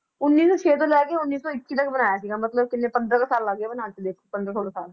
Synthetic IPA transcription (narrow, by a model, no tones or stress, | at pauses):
ʊnːiːsũːt͡ʃʰeːt̪̬õːlɛːkeːʊnːiːsõːɪkːiːt̪əkbənaːjaːsiːɡaːmət̪ləbkɪnːeːpə̃nd̪ɾəkasaːlːəɡeːbənaːt͡ʃed̪eːkʰːopə̃nd̪ɾəːoːɽaːsaːl